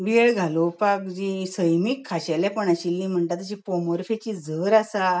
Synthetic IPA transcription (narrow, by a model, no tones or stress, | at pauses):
ʋiɭɡʱalopakd͡ʑisəjmiːkʰːaɕaljapəɳaɕilːim̤əɳʈ̪at̪əɕipomoɾfet͡ɕid͡zəɾasa